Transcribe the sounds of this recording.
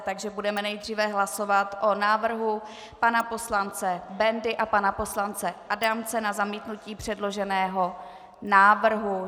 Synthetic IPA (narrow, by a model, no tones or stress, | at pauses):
t̪aɡʒɛbudɛmɛnɛjd̪r̝iːvɛɦlaso̞vat̪ʔonaːvr̩ɦu | panapo̞slant͡sɛbɛndɪʔapanapo̞slant͡sɛʔadaːmt͡sɛnazamiːt̪nuciːpr̝̥ɛdlo̞ʒɛnɛːɦo̞ | naːvr̩ɦu